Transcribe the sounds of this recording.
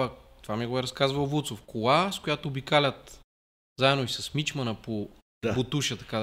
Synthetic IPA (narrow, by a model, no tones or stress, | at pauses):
t̪ovamiɛɡoɛɾɐskazvɐlˠvut̪sofkolˠaskojat̪oːbikalʲət̪ | zaɛd̪oisɐsmit͡ʃmɐnəpo | pot̪uʃət̪ɐ̥ka